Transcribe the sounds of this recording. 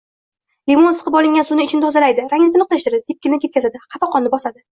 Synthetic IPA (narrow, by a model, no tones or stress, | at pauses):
limonsɨ̥qʰɨpɒlˠɪŋɡʲansunɪɪt͡ʃʰɪnɪt̪ʰɒzalajd̪ɪɾaŋnɪt̪ʰnɨqlaʃt̪ɪɾd̪ɪt̪ʰep̚kʲʰɪlɪnɪkʲe̞t̪kʲazad̪ɪqɑfɑqʰɒnːɪbɒsad̪ɪ